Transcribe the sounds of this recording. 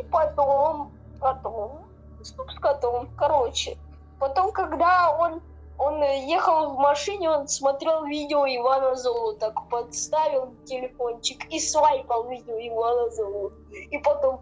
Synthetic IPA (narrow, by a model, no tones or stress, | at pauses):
pɐt̪om | kɐt̪om | st̪upskɐt̪omkɐɾot͡ɕɪ | pɐt̪o̞mkɐɡd̪aon | o̞njexəlˠvmɐʂɨnʲɪo̞nsmɐt̪ɾʲe̞lˠvʲidʲɪoɪvanɐzolˠʊt̪akpɐt̪st̪avʲɪlˠtʲɪlʲɪfo̞nt͡ɕɪkisvajpəlˠvʲidʲɪoɪvanɐzolˠʊ | ipɐt̪om